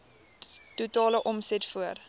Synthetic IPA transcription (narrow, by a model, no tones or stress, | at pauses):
tutɑːləʔɔmsɛtfuər